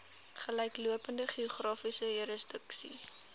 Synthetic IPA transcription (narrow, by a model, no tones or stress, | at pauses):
χəlɛjkluəpəndəχioχrɑːfisəjuɾəsdəksḭ